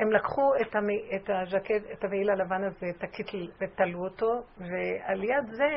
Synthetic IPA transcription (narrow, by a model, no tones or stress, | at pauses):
hemlakχuetameetaʒakeetaveilalavanazet̪akʰit̪lvet̪aluoto̞vealjad̪ze